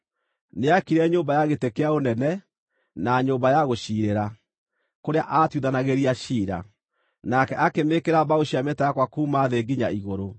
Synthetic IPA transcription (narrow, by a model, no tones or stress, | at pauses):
neakiɾɛɲoːmbajaɣetekeaonɛnɛ | naɲoːmbajaɣoʃiːɾeɾa | koɾeaʔaːtuðanaɣeɾiaɕiːɾa̰ | nakɛʔakemekeɾaβaoɕiametaakwakuːmaðeːɡiɲa̰iɣoɾo